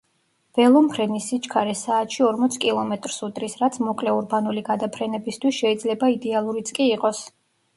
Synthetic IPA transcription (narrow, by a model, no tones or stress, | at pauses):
v̥ɛlˠɔmpʰɾɛnisit͡ʃkʰaɾɛsaːt̪ʃiɔɾmɔt̪sʰkʼilˠɔmɛt̪ʼɾsut̪ʼɾisɾat̪sʰmɔkʼlɛuɾbanuliɡad̪apʰɾɛnɛbist̪ʰwisʃɛid̪zlɛbaid̪ɛalˠuɾit̪sʼkʼiːqʼɔs